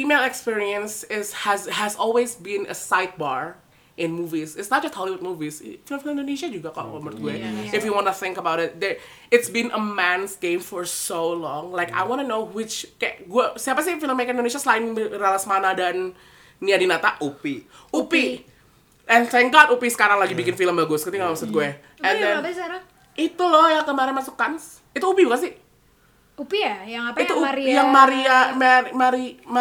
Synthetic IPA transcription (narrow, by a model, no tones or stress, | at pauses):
fimelɛkspiɹiə̃nsɪshɛzɦɛzɔlˠwezbɪ̃nə̰saɪt̪̚baɹ | ʔɪ̃nmuvisɪtsnɔt̪̚d͡ʒʌst̪̚hɔliwud̚muvisfilə̃mfɪlɪ̃ndoneʃad͡ʒuɡakɔ̰to̰məɹt̪uweɪfjuwɔ̃nuθɪ̃ŋkəbaʊɾɪt̪̚d̪ə | ɪtsbɪ̃nʔə̰mɛ̃nsɡẽmfɔɹsolɔ̃ŋlaɪka̰ɪwɔ̃nənowɪt͡ʃkaɡuəsəhapas̬ifɪlə̃mekəɪ̃ndoneʃ̬aslaɪ̃ŋmɾalasmanadanː | iadinat̪aʔupiupi | ʔɛnsɛjŋɡat̪upisə̥kaɾaŋlaɡibikɪnfiləmbaɡosəkut̪iŋausat̪̚ɡuɛ | ɛndɛns | it̪ulɔjakəmaɾɪnmasukːans | it̪uupibukans̬ɪh | upiajaŋait̪ujaŋmaɾiamaimaɾim